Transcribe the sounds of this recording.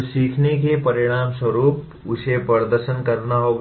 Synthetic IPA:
siːkʰnekepɐɾɪɽ̃aːmswɐɾuːp | ʊsepəɾd̪əɾʃənkɐɾnaɦo

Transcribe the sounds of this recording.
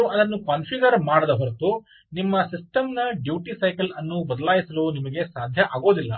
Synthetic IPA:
ɐd̪ɐnːukaːnpʰiɡɐɾmaːɽɐd̪ɐɦɔɾɐt̪u | nimːɐsisʈɐmnɐɖjuːʈisɐjkɐlɐnːubɐd̪ɐlaːjisɐluːnimɐɡe̞saːd̪ʱjɐʔaːɡo̞ːd̪ilːɐ̰

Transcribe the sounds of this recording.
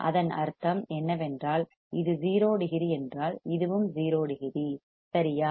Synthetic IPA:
ʔɐ̰ðɐnɐ̰ɾt̪ɐmɛnːɐʋɛndraːl | ɪðɯziːɾoːɽɯɣɪɾiɛndraːlɪðɯʋɯmziːɾoːɽɯɣɪɾi | sɐɾɪjaː

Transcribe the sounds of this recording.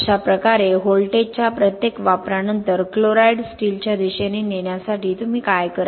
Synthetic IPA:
ɕapɾəkaɾeɦolʈet͡ɕjapɾət̪jekʋapɾanənt̪əɾkloɾaiɽsʈiːlt͡ɕjad̪iɕanineɳjasaʈiːt̪um̤iːkajkəɾ

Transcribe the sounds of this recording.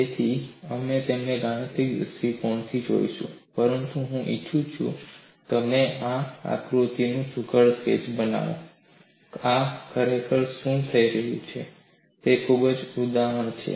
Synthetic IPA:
et̪ʰiəmet̪emneɡaɽ̃ət̪ikjə̰sikɔɳt̪ʰid͡ʒo̰iʃṵ̃pəɾənt̪uɦũʔit͡ʃʰũt͡ʃʰṵ̃ | t̪əmeʔaa̰kɾut̪inũsʊkʰəɭsḛd͡ʒbəna̰ʋõ̰ | akəɾekəɭʃũt̪ʰəiɾəɦjṵ̃t͡ʃʰe | t̪ekʰubəd͡ʒud̪aɦəɳ̃t͡ʃʰḛ

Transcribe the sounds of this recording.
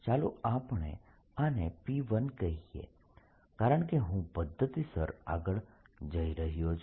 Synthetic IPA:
t͡ʃaluapɳḛ | anepiʋənkəɦiḛ | kaɾəɳ̃keɦũpəd̪ʱːət̪isəɾa̰ɡəɭd͡ʒəiɾəɦijot͡ʃʰ

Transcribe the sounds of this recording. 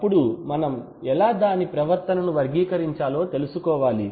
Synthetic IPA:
ɐɐpːuɽumɐnɐm | ɛlaːd̪aːnipɾɐʋɐɾt̪ɐnɐnuʋɐɾɡiːkɐɾiɲt͡ʃaːlo̞ːt̪e̞lusukɔːʋaːli

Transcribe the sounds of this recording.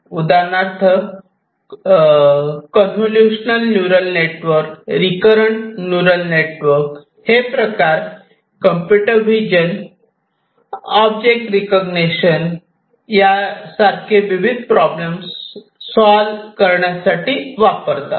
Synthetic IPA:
ud̪anat̪ʰə | kɔnsuljuɕnəlnjuɾəlneʈʋəɾkɾikəɾəɳnjuɾəlneʈʋəɾk | hepɾəkaɾ | kəmpjuʈəɾʋid͡ʑən | ɔb̚d͡ʑek̚ʈɾikəɡneɕən | jasaɾkʰeʋibʱid̪̚ʱpɾɔblems | sɔlkəɾɳjasaʈiːʋapəɾt̪a̰

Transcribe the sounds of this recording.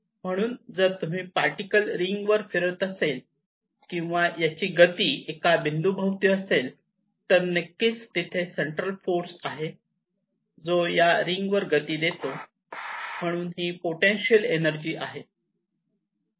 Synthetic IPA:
m̤əɽ̃uːnd͡zəɾt̪um̤iːpaɾʈikəlɾiŋɡʋəɾfiɾət̪əsel | kĩw̃ʋajat͡ɕiːɡət̪iːekabʱind̪ubʱawt̪iəsel | t̪əɾnekːit͡st̪it̪ʰeseɳʈɾəlfoɾsaɦe | d͡zojaɾiŋɡʋəɾɡət̪iːd̪et̪o | m̤əɽ̃uːnɦiːpoʈenɕiəlenəɾd͡ʑiːʔaɦe

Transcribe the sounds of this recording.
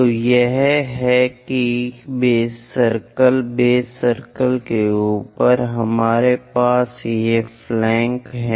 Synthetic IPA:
ojeɦɦɛkibeːsəɾkəlbeːsəɾkəlkeuːpəɾɦɐmaːɾepaːsjeflɛ̃ːŋkɦɛ

